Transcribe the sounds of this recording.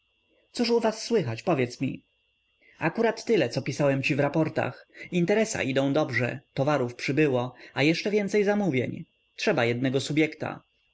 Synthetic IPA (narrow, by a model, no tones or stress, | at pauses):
t̪suʂuvasːwɘxat͡ɕpɔvjɛt̪smʲḭ | akuɾat̪ːɘlɛt̪sɔpʲisawɛmt͡ɕivɾapɔɾt̪a̰xint̪ɛɾɛsa̰ʔid̪ɔ̃d̪ɔbʐɛ̰t̪ɔvaɾufpʂɘbɘwɔajɛʂt͡ʂɛvʲjɛnt̪sɛjzamuvʲjɛ̰ɲ | tʂɛbajɛd̪̚nɛɡɔsubʲjɛkt̪a̰